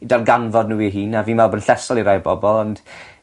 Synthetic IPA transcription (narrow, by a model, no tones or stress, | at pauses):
idalɡanvɔdnuːiɦiːnaviːnvɛlˠboːdn̩ɬɛsɔlˠiɾajbɔ̰bɔlˠɔnd̥